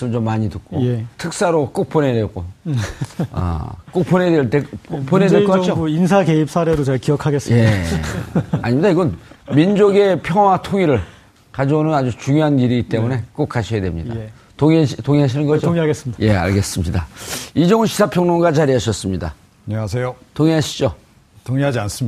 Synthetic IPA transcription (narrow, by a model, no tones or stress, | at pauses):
s͈ɯmt͡ɕomːaɲitɯk̚k͈otʰɯk̚s͈aɾok͈ok̚p͈one̞dek͈o | ʌ̰k͈ok̚p͈one̞dweɭt͈eponedek͈ʌkakt͡ɕoinsʰake̞ip̚s͈ʰaɾe̞ɾot͡ɕekiʌkʰaɡes͈ea | a̰ɲimɲidaiɡʌnmind͡ʑoɡe̞pʰjʌŋwatʰoŋiɾɯɭ | kad͡ʑoonɯnad͡ʑut͡ɕuŋjoɦaniɾiɡit͈e̞mune̞k͈ok͈ʰaɕʰʌjadwemɲida | toŋtoŋiɦaɕ̬ʰinɯnɡʌoŋaɡes͈ɯidaje̞a̰ɭɡe̞s͈ɯmɲidaid͡ʑʌŋnɕʰi̥sʰapʰjʌŋnoŋɡat͡ɕaɾiɦaɕʰʌs͈ɯmɲida̰ | aɲeŋasʰejotoŋiɦaɕʰi̥d͡ʑo | toŋiɦad͡ʑians͈ɯm